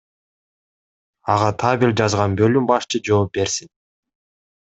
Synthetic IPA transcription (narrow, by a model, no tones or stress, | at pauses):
ɑʁɑt̪ʰaβilʲd͡ʒɑzʁɑnbø̞lymbɑʃt͡ʃʰɯd͡ʒo̞ːp̚be̞ɾsin